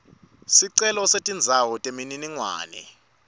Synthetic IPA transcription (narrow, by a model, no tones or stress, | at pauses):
siǀɛlɔsetʼind͡zʱawɔtʼemininiŋwa̰ːnɛ̰